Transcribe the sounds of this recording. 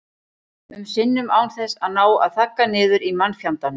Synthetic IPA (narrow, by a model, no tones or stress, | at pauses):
ʏmsɪnːʏmaːwnθɛsːaðnaːwa̰ðθahkːanɪːðʏɾimanːfjawnt̪an